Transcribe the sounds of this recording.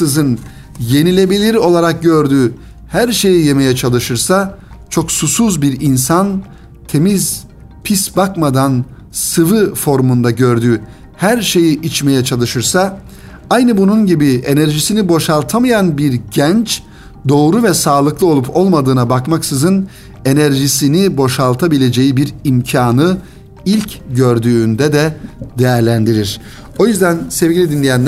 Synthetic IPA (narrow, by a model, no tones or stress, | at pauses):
ɯzɯn | je̞nilʲe̞bilʲiɾo̞lˠaɾak̚ɟøɾd̪yː | hæɾʃe̞jije̞me̞jɛt͡ʃʰalˠɯʃɯɾsat͡ʃʰo̞ksusuzbiɾinsan | t̪ʰe̞miz | pʰisbakmad̪an | sɯvɯfo̞ɾmund̪aɟø̞ɾd̪yː | hæɾʃe̞jiʔit͡ʃme̞jɛt͡ʃʰalˠɯʃɯɾsa | ajnɯbununɟibie̞næɾʒisinibo̞ʃalˠt̪ʰamajanbiɾɟænt͡ʃ | d̪o̞ːɾuvɛsaːlˠɯklˠɯo̞lˠupʰo̞lˠmad̪ɯːnabakmaksɯzɯn | e̞næɾʒisinibo̞ʃalˠt̪ʰabilʲe̞d͡ʒe̞jibiɾimcʰaːnɯ | ilʲcɟøɾd̪yːnd̪ɛd̪ɛd̪ejæɾlʲænd̪iɾiɾ̥ | o̞jyzd̪ænsɛvɟilʲid̪inlʲejænl